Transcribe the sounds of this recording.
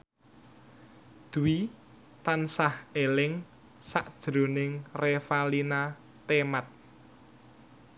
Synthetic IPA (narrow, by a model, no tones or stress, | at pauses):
d̪̥uwi | t̪ansahelɪŋ | saʔd̥ʒ̥ɾo̤nɪŋrefalinat̪emat̪̚